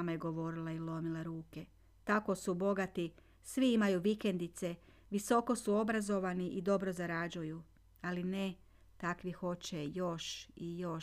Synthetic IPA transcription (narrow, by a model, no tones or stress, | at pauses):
majeɡo̞ʋo̞ɾilˠailˠo̞milaɾuːke̞ | t̪ako̞subo̞ɡat̪i | sʋiimajuʋike̞nd̪it̪se | ʋiso̞ko̞suo̞bɾazo̞ʋaniʔid̪o̞bɾo̞zaɾad͡ʑuju | aline | t̪akʋixo̞t͡ɕejo̞ʃijo̞